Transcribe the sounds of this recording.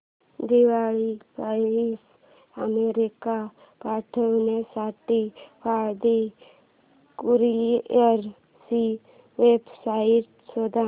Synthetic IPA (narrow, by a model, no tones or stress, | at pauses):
d̪iʋaːɭipais | əmeɾika | paːʈʰəwnesaːʈipʰaɾd̪i | kuɾieɾ | si | ʋeːbsaiʈ | sod̪a